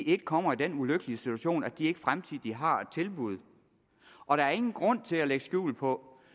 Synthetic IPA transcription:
ie̝ɡ̥əkʰɒ̽m̰ɐid̥enuløɡ̥əliəsit͡sʰuæɕo̝̰ːnæd̥iɐe̝ɡ̥əfʁamt͡sʰið̰ˠd̥iɦɑ̈e̥t͡sʰe̝lb̥uð̞̰ˠ | ʔɒ̽ɾ̥ɑ̈æɐe̝ŋn̩ɡ̥ʁɔ̽n̰t͡sʰe̝læleɡ̥əsɡ̥jṵːl̩pʰɒ̽

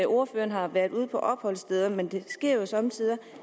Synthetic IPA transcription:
ʔo̝ɐføːɐn̩ɦɑ̈ʋæɐðˠuð̞̰ˠpʰɒ̽ʔɒ̽b̥hɒ̽l̰sd̥eð̞ˠɐmend̥e̝sɡ̥e̝ɐ̰josɒ̽mt͡sʰiðˠɐ

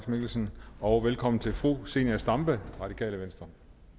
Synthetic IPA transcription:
smeɡ̥l̩sn̩ɒ̽ʊʋelkʰɒ̽m̰n̩t͡sʰe̝lfʁṵːse̝̰næsd̥ɑ̈mb̥əʁɑ̈d̥ikʰɛ̰ːləʋensd̥ʁɐ

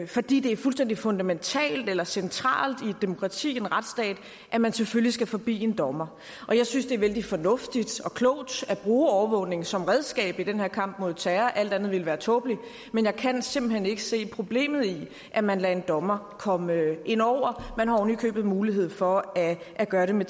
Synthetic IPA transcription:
fɒ̽d̥ḭːd̥e̝æɐfulsd̥en̰d̥ifɔ̽nd̥æment͡sʰɛ̰ːld̥elɐsent͡sʰʁɑ̰̈ːld̥id̥e̝mo̝kʰʁɑ̈t͡sʰḭːe̝nʁäd̥sd̥ɛ̰ːd̥ | ʔæmænseføljisɡ̥æfɒ̽b̥ḭːe̝nd̥ɒ̽mɐ | ʔɒ̽jɑ̈ɪsynsd̥e̝æɐʋeld̥ifɒ̽nɔ̽fd̥id̥ɒ̽kʰlɔ̽ʊ̰d̥æb̥ʁuːɒʊɐʋɔ̽ːne̝ŋsɒ̽mʁɛð̞ˠsɡ̥ɛ̰ːb̥id̥enheɐ̰kʰɑ̈m̰b̥mo̝ð̞̰ˠt͡sʰæɐʔæl̰d̥ænð̞̩ˠʋe̝lʋæːɐt͡sʰɔ̽ːb̥li | menjɑ̈ɪkʰænse̝m̰b̥l̩hene̝ɡ̥əse̝̰ːpʰʁo̝b̥le̝̰ːmð̞̩ˠi | ʔæmænlɛe̝nd̥ɒ̽mɐ | kʰɒ̽məʔe̝n̰ɒʊ̰ɐmænhɑ̈onykʰø̰ːb̥ð̩ˠmuːliɦe̝ð̞̰ˠfɒ̽æ | ʔːɡ̥ɶːɐɾe̝me

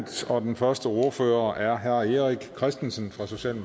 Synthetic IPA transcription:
d̥ɒ̽d̥enfɶɐsd̥əo̝ɐfø̰ːɐʔæɐɦæɐe̝ʁiɡ̥kʰʁɛsd̥en̩sənfʁɑ̈so̝ɕɛ̰ːlm

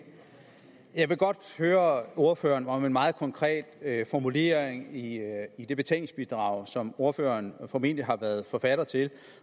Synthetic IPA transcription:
jɑ̈ɪʋe̝ɡ̥ɒ̽d̥høːɐo̝ɐfø̰ːɐnɒ̽me̝nmɑ̈ːð̩ˠkʰɒ̽ŋkʰʁɛ̰ːd̥fɒmule̝̰ːɐeŋiid̥e̝b̥e̝t͡sʰḛlŋsb̥id̥ʁɑ̈ʊ̰sɒ̽mo̝ɐføːɐnfɒ̽me̝n̰dliɦɑ̈ʋæːɐð̞ˠfɒ̽fæɾ̥ɐt͡sʰe̝l

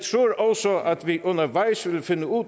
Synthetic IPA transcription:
t̪ʰɾuːɾɔlsɔʔɑt̪ʋiːʔʊnəɾʋæɪsʋɪlfɪnːəuː

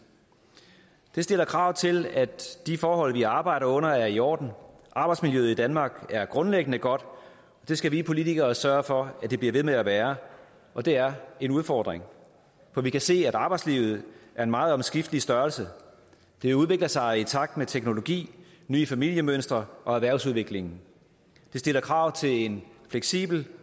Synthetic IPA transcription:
d̥e̝sd̥e̝lɐkʰʁɑ̈ʊ̰t͡sʰe̝læd̥ifɒːɦɒ̽l̰ʋiɑ̈ːb̥ɑ̈ɪ̰ɾɐɔ̽n̰ɐæɐiɒ̰ːd̥n̩ | ʔɑ̈b̥ɑ̈ɪdsmiljøð̞̩ˠid̥ænmɑ̈ːɡ̥æɐɡ̥ʁɔ̽nleɡ̥ənəɡ̥ɒ̽d̥ | ɒ̽d̥e̝sɡ̥æʋiːpʰo̝lit͡sʰiɡ̥ɐːsɶɐfɒ̽æd̥e̝b̥liɐʋe̝ðˠmeæʋæːɐ | ʔɒ̽d̥e̝æɐenuð̞ˠfɒ̰ːd̥ʁeŋ | fɒ̽ʋikʰæse̝̰ːæɾɑ̈ːb̥ɑ̈ɪd̥slḭːʊð̞̩ˠʔæɐe̝nmɑ̈ːð̞̩ˠɒ̽msɡ̥ifd̥əlisd̥ɶɐlsə | d̥e̝ʋe̝uð̞ˠʋe̝ɡ̥ləsɑ̈ɪit͡sʰɑ̈ɡ̥̚d̥met͡sʰeɡ̥no̝lo̝ɡ̥ḭː | ny̰ːəfæmil̰jəmønsd̥ʁɐʔɒ̽æʋæɐʊsuðˠʋe̝ɡ̥le̝ŋn̩ | d̥e̝sd̥e̝lɐkʰʁɑ̈ʊ̰t͡sʰe̝le̝nfleɡ̥sḭːb̥l̩

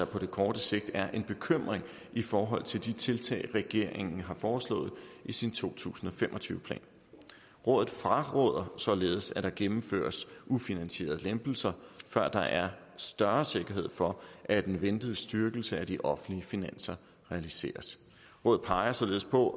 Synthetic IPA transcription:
ɑpʰɒ̽d̥e̝kʰɒːd̥əse̝ɡ̥̚d̥æɐʔe̝nb̥e̝kʰøm̰ʁeŋ | ifɒːɦɒ̽l̰t͡sʰe̝ld̥it͡sʰe̝lt͡sʰɛ̰ːɪʁɛɡ̥e̝ɐ̰eŋn̩ɦɑ̈fɒːslɔ̰̽ːð̞̩ˠʔisint͡sʰo̝̰ːt͡sʰṵːsn̩ɒ̽fem̰ʔɒ̽t͡sʰyːʊəpʰlɛ̰ːn | ʁɔ̽ðð̩ˠfʁɑ̈ʁɔð̰ˠɐsɒ̽le̝ːð̞ˠsæd̥ɑ̈ɡ̥emm̩fø̰ːɐsʔufinænse̝̰ːɐð̩ˠlemb̥l̩sɐfɶɐ̰d̥ɑ̈ʔæɐ | sd̥ɶɐse̝ɡ̥ɐɦe̝ð̰ˠfɒ̽ʔæd̥enʋend̥əð̩ˠsd̥yɐɡ̥l̩səæd̥iʔɒ̽fn̩dliəfinæn̰sɐ | ʁɛælise̝̰ːɐs | ʁɔ̽ːð̩ˠpʰɑ̈ɪɐsɒ̽le̝ːð̞̩ˠpʰɒ̽

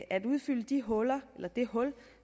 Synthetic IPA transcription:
ʔæd̥uðˠfyl̰əd̥iɦɔ̽lɐelɐd̥e̝hɔ̽l

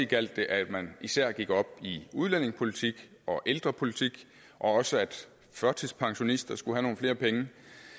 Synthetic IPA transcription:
iɡ̥æl̰d̥e̝ʔæd̥mænisæɐ̰ɡ̥iɡ̥ɒ̽b̥iuð̞ˠlæn̰e̝ŋspʰo̝lit͡sʰiɡ̥ | ɒ̽ʔeld̥ʁɐpʰo̝lit͡sʰiɡ̥ | ʔɒ̽ɒ̽səæd̥ | fɶɐt͡sʰispʰɑ̈ŋɕo̝nisd̥ɐsɡ̥uhæno̝ːn̩fle̝ːɐpʰeŋə

